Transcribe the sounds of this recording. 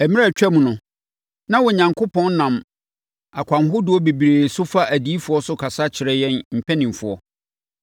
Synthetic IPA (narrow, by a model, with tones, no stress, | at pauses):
æ˨mĩ˦ɾa˦˨t͡ɕᶣɛ˦mũ˨nʊ̃˨ | nã˦wɔ˨ɲã˨ŋkʰʊ˦pʰɔ̃˦n˦nã˨m | a˨kʷʰã˨nɦʊ˦dʊ˨˦ɔ˦be˨bi˨ɾeː˨sʊ˦fa˦ʔæ˨di˦fʊ˨ɔ˦sʊ˦kʰa˨sa˦t͡ɕʰɪ˨ɾɛ˦jɛ̃˦nm̩˨pʰɛ˦nĩ˨m˨fʊ˨ɔ̰˦